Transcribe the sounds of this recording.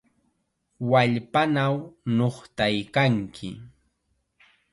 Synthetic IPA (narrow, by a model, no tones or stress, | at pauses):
waʎpanawnoχt̪ajkaŋkʰɪ̰